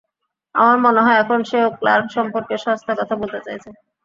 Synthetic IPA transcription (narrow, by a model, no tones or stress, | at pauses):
a̰maɾmoneɦɔeɛkʰonʃeoklaɾʃɔmpoɾkeʃɔɦst̪ʰakɔt̪ʰabolt̪et͡ɕajt͡ɕʰe